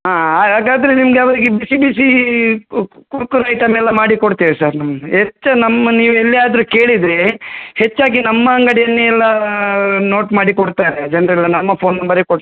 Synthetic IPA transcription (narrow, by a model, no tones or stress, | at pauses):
ɦaːɦaːɡaːɡaːd̪ɐɾenimɐɡeɐʋɐɾiɡebisibiːsi | kuɾkuɾɐjʈɐmɛlːɐmaːɽikoɽt̪iʋesɐɾnɐmɦet͡ʃːɐnɐmːɐniːʋuelːiaːd̪ɐɾukeːɭid̪ɾehet͡ʃːaːɡinɐmːɐɐŋɡɐɽɛjɐnːeɛlːɐ | no̞ːʈmaːɽikɔɽt̪aːɾed͡ʒɐnɾɐɛlːɐnɐmːɐpʰo̞ːnːɐmbɐɾekoɽ